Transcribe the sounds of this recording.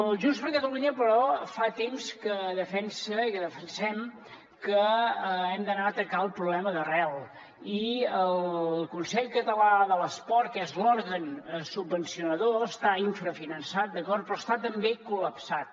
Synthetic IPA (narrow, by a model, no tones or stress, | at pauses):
ʒunspəɾkət̪əluɲəpəɾɔfat̪emskəðəfɛnsəikəðəfənsɛm | kə | ɛmd̪ənaət̪əkalˠpɾuβlɛməðərɛlˠ | iəllkunsɛʎkət̪əlaðələspɔɾt̪̚kɛzloɾɣənsubːənsiunəðoəst̪aiɱfɾəfinənsat̪̚d̪əkɔɾt̪pɾɔst̪at̪əmbekuləpsat̪̚